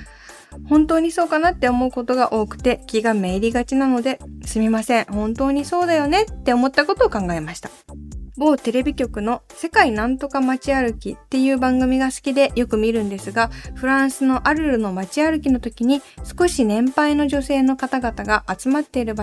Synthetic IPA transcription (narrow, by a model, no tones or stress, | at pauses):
hõ̞nt̪o̞ːɲ̟iso̞ːkanat̪ːe̞o̞mo̞ɯ̟ko̞t̪o̞ɡaʔo̞ːkɯ̟̥t̪e̞kʲiɡame̞ːɾʲiɡat͡ɕinano̞d̪e̞sɨmʲimasẽ̞ɰ̃hõ̞nt̪o̞ːɲ̟iso̞ːd̪ajo̞ne̞t̪ːe̞o̞mo̞t̪ːako̞t̪o̞ːkãŋɡae̞maɕi̥t̪ḁbo̞ːt̪e̞ɾe̞bʲikʲo̞kɯ̟no̞se̞kainãnt̪o̞kamat͡ɕiaɾɯ̟kʲit̪ːe̞jɯ̟ːbãŋɡɯ̟mʲiɡasɨ̥kʲid̪e̞jo̞kɯ̟mʲiɾɯ̟̃nd̪e̞sɨɡaɸɯ̟ɾãɰ̃sɨno̞ʔaɾɯ̟ɾɯ̟no̞mat͡ɕiaɾɯ̟kʲino̞t̪o̞kʲiɲ̟isɨ̥ko̞ɕinẽ̞mpaino̞ʑo̞se̞ːno̞kat̪aɡat̪aɡaʔːt͡sɨmat̪ːe̞iɾɯ̟b